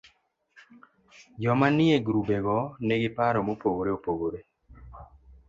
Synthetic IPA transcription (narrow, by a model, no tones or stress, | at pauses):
d͡ʒɔmanɪeɡɾubeɡɔneɡɪpaɾɔmopoɡoɾeopoɡoɾe